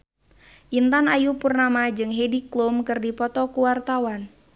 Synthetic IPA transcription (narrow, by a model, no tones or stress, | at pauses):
ʔint̪anajupurnamad͡ʒɨŋɦediklumkɨrdipɔt̪ɔkuwart̪awan